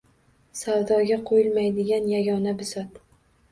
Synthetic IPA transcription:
sawd̪ɒɡʲaqʰojɪlmajd̪ɪɡʲanjaɡʲɒnabɪsɒt̪

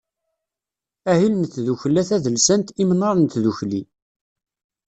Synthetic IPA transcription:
æɦilnəθðuçlːæθæðəlsænt̪imənːɑɾˤnt̪ðuçli

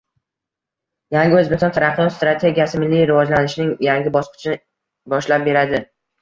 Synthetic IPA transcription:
jaŋɡʲɪɵzbekʲsɒnt̪ʰaɾaχjɒt̪st̪ɾat̪ʰe̞ɡʲijasɪmɪlːijɾɪvɒd͡ʒlanɪʃɪnɪŋjaŋɡʲɪbɒsqɨ̥t͡ʃʰɪnɪ | bɒʃlap̚be̞ɾad̪ɪ

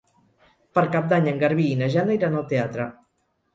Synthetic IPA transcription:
pəɾkap̚d̪aɲəŋɡəɾβiːnaʒand̪əjɾanalˠt̪eat̪ɾə

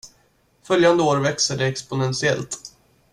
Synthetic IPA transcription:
fœljand̪əoːɾvɛksəɖɛɛkspʊnɛnsɪɛlt̪

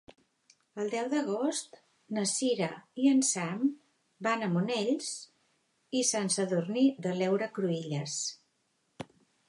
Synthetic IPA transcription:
əlˠd̪ɛwðəɣ̞ost̪ | nəsiɾəiənsam | banəmuneʎs | isansəðurniðəlɛwɾəkɾuiʎəs

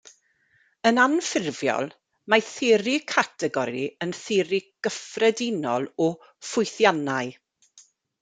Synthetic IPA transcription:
ənanfɪrvjɔ̰lˠ | maθɪɾikʰatʰɛɡɔɾiənθɪɾiɡ̥əfrɛdɪnɔlˠɔ | fʊjθjanaɨ

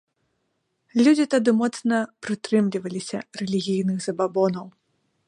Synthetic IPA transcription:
lʲud͡zʲit̪ad̪ɨmɔt̪snɐpɾɨt̪ɾɨmlʲivɐlʲisʲɐrɛlʲiɣʲijnɨxzɐbabɔnɐw

